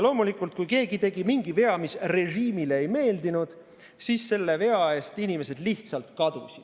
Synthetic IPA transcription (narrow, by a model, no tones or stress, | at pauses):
lo̞ːmulikˑult̪̚kujke̞ːɡit̪e̞ɡimiŋɡ̥ive̞ɑmisre̞ʒiːmile̞ejme̞ːld̪inud̪̥ | siːsːe̞lːe̞ve̞ɑe̞ːst̪inʲime̞se̞d̪liht̪sɑlt̪kɑd̪̥ṵsʲid̪̥